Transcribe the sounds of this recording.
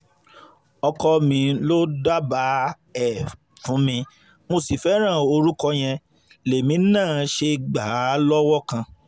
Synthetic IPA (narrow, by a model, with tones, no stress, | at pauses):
ɔ˧kɔ˧mĩ˧˦lo˦da˦ba˨˦ | ɛ˨ | fũ˨˦mĩ˧ | mo˧si˨fɛ˨˦ɾ̃ã˦˨o˧ɾu˦kɔ˧j̃ɛ̃˧ | le˨mĩ˨˦nãː˦˨ʃe˧ɡ͡ba˨˦lɔ˦wɔ˦kã˧